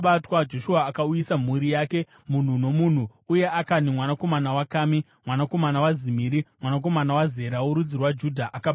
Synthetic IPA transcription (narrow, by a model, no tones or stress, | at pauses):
ɓatwad͡ʒo̞ʃuaːkaujisam̤uɾijaːke̞ | mun̤uno̞mun̤u | uje̞akanimwanako̞manawakaːmi | mwanako̞manawazimiːɾimwanak̬o̞manawaze̞ɾauɾud͡zirwad͡ʒudʱaʔakab